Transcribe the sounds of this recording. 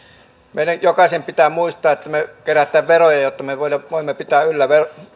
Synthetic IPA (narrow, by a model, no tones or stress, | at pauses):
meˑilæjjokɑsʲempit̪æmuist̪ˑɑːet̪ːæmekeræt̪ˑæːʋʋerojɑjot̪ːɑmeʋoˑilɑʋoˑimːepit̪æːylːæʋero